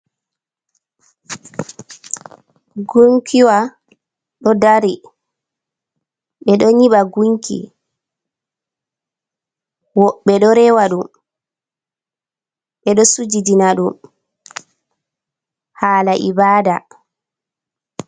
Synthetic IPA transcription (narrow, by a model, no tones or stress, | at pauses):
ɡuŋkʰiwa | ɗɔdaɾi | ɓɛɗɔɲiɓaɡuŋkḭ | wɔɓːɛɗɔɾɛwaɗum | ɓɛɗɔsud͡ʒidinaɗum | haːlaʔibaːda